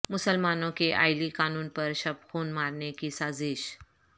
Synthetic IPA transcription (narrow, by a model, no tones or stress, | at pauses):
mʊsəlmanõkeʔa̰jlikaːnuːnpəɾɕəb̚xʰoːnmaɾnekisaːziʃ